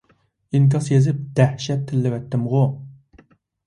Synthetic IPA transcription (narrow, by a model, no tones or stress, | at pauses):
iŋk̬ʲɑsjezɪp̚d̪̥æhʃɛt̪ʰːɪlːɪwɛt̪ʰːɪmʁʊ